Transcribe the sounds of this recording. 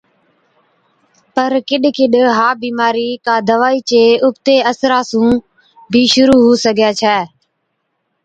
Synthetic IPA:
pəɾkɪɗkɪɗɦaːbiːmaːɾiːkaːd̪əʋaːiːt͡ʃeːʊpt̪eːəsɾaːsũː | bʱiːʃʊɾuːɦuːsəɡʱjaːt͡ʃʰɛː

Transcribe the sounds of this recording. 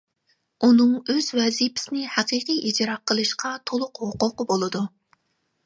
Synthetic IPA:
unɨŋøz̥wɛzipʰɪ̥sɪnɪhæqiqijid͡ʒɾɑqʰːəlˠɨʃqʰɑt̪ʰolˠʊqhʊqʊqbolˠɨd̪u

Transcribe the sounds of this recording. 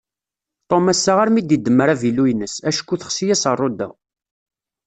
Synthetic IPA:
t̪ˤomæsːaʁaɾmid̪jid̪ːəmːəɾævilujnəsæʃkːuθə̥χsijæsərˤːod̪æ̰

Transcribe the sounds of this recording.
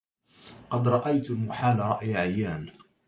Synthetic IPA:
qɑd̪ɾˤɑʔajt̪lmʊħaːlaɾˤɑ̰ʔjʕajːaːn

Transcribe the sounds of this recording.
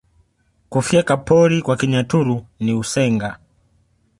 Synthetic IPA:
kufjɛkapɔɾikwakiɲatuɾuniusɛŋɡa

